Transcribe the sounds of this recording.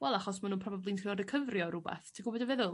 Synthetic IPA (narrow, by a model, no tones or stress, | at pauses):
wɛlˠaχɔsmanuːnpʰrɔbablˠinkʰrɪɔɾɪkʰəvrjɔɾʊbɛ̰θtʰiɡʊbɔdəvɛðʊlˠ